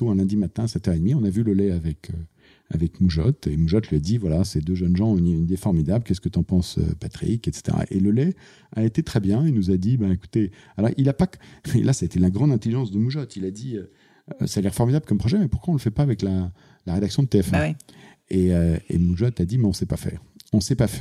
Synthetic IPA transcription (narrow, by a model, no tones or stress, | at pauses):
t̪oɛ̃lɛ̃d̪imat̪ɛ̃asɛt̪œʁed̪miɔ̃navyləlɛavɛkʰø | a̰vɛkmuʒɔt̪emuʒɔt̪liad̪ivwalased̪øʒənʒɑ̃nĩnid̪efɔʁmid̪ablkʲɛskət̪yɑ̃pɑ̃sø̰pat̪χḭkɛt̪se̥t̪ḛʁa̰ʔeləlɛ | aet̪et̪χɛbjɛ̃elnuzad̪ibãeku̥t̪ealɔʁilapakɛlʔasaet̪ɛlaɡʁɑ̃d̪ɛ̃t̪eliʒɑ̃sd̪əmuʒɔt̪ʰilad̪iø | salɛʁfɔʁmid̪ablkɔmpχɔʒɛmɛpuʁkwaɔ̃ləfɛpaːvɛkla | laʁed̪aksjɔ̃d̪ət̪eɛfɛ̃ | eøḛmuʒɔt̪ad̪imɛɔ̃sɛpafɛ̰ːʁɔ̃sɛpafɛ